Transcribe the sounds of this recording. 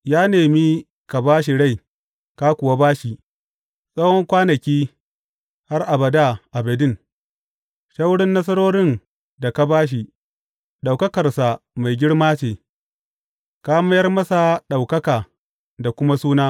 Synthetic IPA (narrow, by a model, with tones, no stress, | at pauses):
jaː˦neː˨mi˦ | ka˨baː˦ʃ̬i˨ɽa˦˨j | ka˦kʷʊ˨wa˦baː˦ʃi˨ | sʼɐ˦wɔ˦ŋkʷaː˦nɐ˨kʲiː˦ | ha˦rʔa˨bɐ˨da˦ʔa˨bɐ˨dɪ˦ŋ | ʃa˦wɽɪ˦nːɐ˦s̬ɐ˦ɾoː˦ɽɪ˦n | da˨ka˦baː˦ʃ̬i˨ | ɗa˨wkɐ˦kɐ˨rsa˨ma˨jɡʲɪ˦ɽmaː˦t͡ʃeː˨ | kaː˦mɐ˦jɐ˦rmɐ˦sa˨ɗa˨wkɐ˦kaː˨ | da˨kʷʊ˦ma˦suː˦naː˦